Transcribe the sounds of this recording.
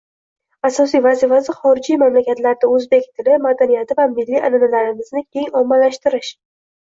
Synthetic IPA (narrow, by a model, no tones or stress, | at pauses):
asɒs̬ijvazifasɪχɒɾɪd͡ʒijmamlakʲat̪laɾd̪aɵzbekʲt̪ʰɪlɪmad̪anijat̪ɪvamɪlːiananalaɾɪmɪznɪkʲʰe̞ŋɒmːalaʃt̪ɪɾɪʃ